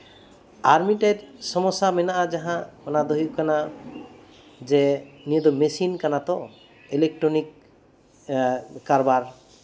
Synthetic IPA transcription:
aɾmiʈedsɔmɔsamɛnaʔad͡ʒaɦãmɔnad̪oɦikana | zɛniɔd̪ɔmesinkanat̪ɔ | elek̚ʈɹɔnik̚ | aɾɔbaɾ

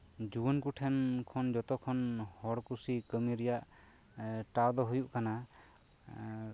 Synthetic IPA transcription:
d͡ʒuənkuʈʰɛnkʰɔnd͡ʒɔt̪ɔkʰɔnhɔɽkusikəmiɾɛjaʔ | ʈawd̪ɔɦujuʔkana

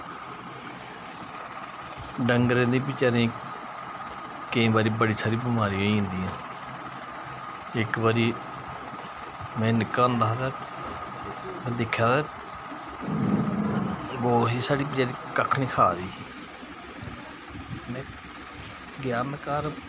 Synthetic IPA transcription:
ɖəŋɡɾẽːd̪ĩːp̬ɪt͡ʃaːɾẽː | kẽːbaːɾiːbəɽiːsaːɾiːbɪmaːɾiãːɦĩnd̪iːãː | ɪkbaːɾiː | mɛ̃ːnɪkːãːnd̪aːɦt̪aː | m̃ːd̪ɪkʰjaːt̪ɛː | ɡoːɦiːsaːɽiːp̬ɪt͡ʃaːɾĩːkəkʰniːkʰaːd̪iːsiː | mɛ̃ː | ɡjaːnkəɾ

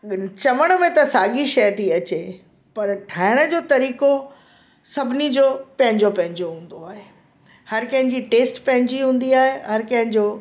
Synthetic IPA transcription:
t͡ɕɐʋəɽ̃mẽt̪ɐsaːɠiʃɐjt̪ʰiɐt͡ɕe | pɐɾʈʰaːɪɽ̃ə̆d͡ʑoːt̪ɐɾiːko | sɐbʱɪnid͡ʑoːpɐ̃ɦɪ̃ɲd͡ʑopɐ̃ɦɪ̃ɲd͡ʑoɦũːn̆d̪oaːɦe | hɐɾkɐ̃ɦɪ̃ɲd͡ʑiʈeːsʈpɐ̃ɦɪ̃ɲd͡ʑiɦũːn̆d̪iaːɦeɦɐɾkɐ̃ɦɪ̃ɲd͡ʑoː

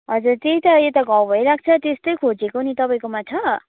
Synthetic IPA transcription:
ɦʌd͡zurt̪eit̪ʌet̪ʌɡʱʌ̃wbʱʌjɾak̚ʰt͡sʰʌt̪est̪ʌjkʰod͡zekonit̪ʌpaĩkomat͡sʰʌ

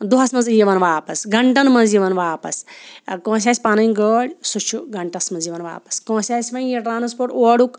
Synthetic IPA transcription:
d̪uɦɐsmɐnzijʋɐnʋaːpɐsɡɐɳʈɐnmɐziʋɐnʋaːpɐskõːs̬ʲaːsʲpaːnɐjɡəːɽʲsut͡ʃʰuɡɐɳʈɐsmɐnziʋɐnʋa̰ːpɐ̥skõːsʲaːsʲʋɐjjeʈɾaːnspoːɾʈoːɽuk

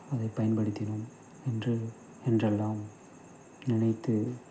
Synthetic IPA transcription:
ɐðɐɪpːɐjɐnpɐɽɯt̪ːɪnɯm | ɛndrɯ | ɛndrɛlːaːm | nɪnɐɪt̪ːɯ

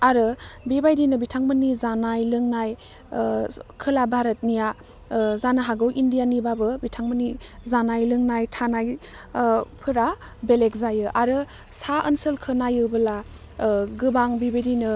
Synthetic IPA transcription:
aɾɯbebajdinɯbitʰaŋmɯnizanajlɯŋnaj | kʰɯlabʱaɾət̚nija | zanaɦaɡɯwʔindijanibabɯbitʰaŋmənizanajlɯŋnajtʰanaj | pʰɯɾa | belek̚zajɯʔaɾɯ | saʔənsɯlkʰɯnajɯwbɯla | ɡɯbaŋbebajdinɯ

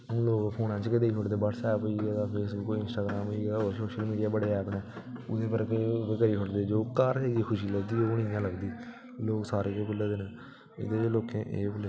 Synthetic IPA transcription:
ʊ̃ːloːkpʰoːnãːt͡ʃkɪd̪eːiːɦoʈd̪eːbəʈsɛːpoiːɡaːɡaːpʰeːsbʊkːɪnsʈaːɡɾãːmɦoiːɡaːoːɾsoːʃəlmiːɖɪjaːbəɽeːɛːpnɛ̃ː | ʊd̪eːbəɾked̪ekəɾiːkʰoɽd̪eːd͡ʒoːkaːɾeɡiːkʰʊʃiːləɡd̪iːoːnɪjãːləɡd̪iː | loːksaːɾeːkeːkʊlːeːd̪eːnẽː | ɪ̰d̪eːloːkẽːʔeːbʊle

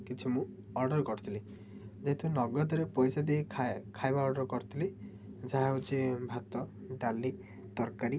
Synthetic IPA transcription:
kit͡ʃʰimũ | ɔɾɖɔɾkɔɾʰut̪ʰili | d͡ʒeɦt̪unɔɡɔd̪ɔɾepɔjsad̪eikʰajbaɔɾɖɔɾkɔɾʰut̪ʰili | d͡ʒaɦaɦut͡ʃibʱat̪ɔ | ɖali | t̪ɔɾkaɾi

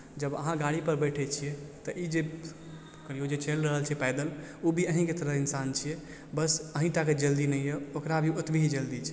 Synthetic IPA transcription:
d͡ʒəbə̰ɦãɡaɽipəɾbəʈʰɛt͡ʃʰijɛt̪əʔid͡ʒe | kəɾijod͡ʒet͡ʃʰelɾəɦəlt͡ʃʰipɛɪd̪əl | ubʱiəɦĩket̪əɾəɦinsant͡ʃʰijɛ | bəsəɦĩʈaked͡ʒəld̪inəjjɛokɾabʱiot̪bʱiɦid͡ʒəld̪it͡ʃʰɛ

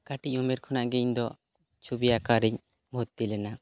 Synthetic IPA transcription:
kaʈic̚umɛɾkʰɔnaʔɡɛiɲd̪ɔ | t͡ʃʰubijakaɾiɲ | bʱɔt̪̚t̪ilɛna

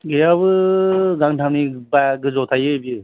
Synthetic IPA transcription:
ɡɯjaβɯzaŋʈʰamnibajɡɯzɔt̪ʰajɯjbi

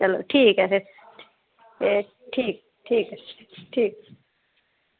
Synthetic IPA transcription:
ælt̪ʰiːkæset̪ | e | t̪ʰiː | t̪ʰiːkæs | t̪ʰiːk

